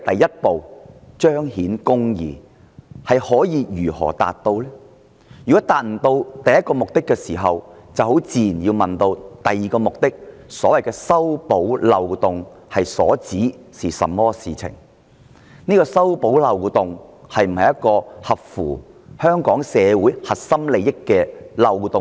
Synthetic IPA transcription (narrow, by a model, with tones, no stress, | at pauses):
t̪ɐ˨jːɐ˥t̚po˨˧wt͡ʃœː˥ŋhiː˨˥nkʊ˥ŋjḭː˨˩ | hɐ˨jhɔː˨˥jiː˨˧jyː˨˩hɔ̰ː˨˩t̪a̰ː˨t̪ːo˧wlɛː˥ | jyː˨kɔː˨˥t̪aː˨t̚m̩˨˩t̪o˧wt̪ɐ˨jɐ˥t̚kɔː˧mʊ˨k̚t̪ɪ˥kːɛː˧siː˨˩ɦɐ˨wt͡sɐ˨who˨˥wt͡siː˨i˨njiː˧wmɐ˨nt̪o˧wt̪ɐ˨jːiː˨kɔː˧mʊ˨k̚t̪ɪ˥k̚sɔː˨˥wɐ˨jkɛː˧sɐ˥wpo˨˥wlɐ˨˧wt̪ʊ˨ŋ | hɐ˨jsɔ̰ː˨˥t͡siː˨˥siː˨sɐ̰˨mːɔː˥siː˨t͡sʰɪ̰˨˩ŋ | niː˥kɔː˧sɐ˥wpo˨˥wlɐ˨˧wt̪ʊ˨ŋhɐ˨jm̩˨˩hɐ˨jɐ˥t̚kːɔː˧hɐ˨p̚fṵː˨˩hœː˥ŋkɔː˨˥ŋsɛː˨˧wuː˨˥jhɐ˨t̚sɐ˥mle˨˧jɪ˥kːɛː˧lɐ˨˧wt̪ʊ˨ŋ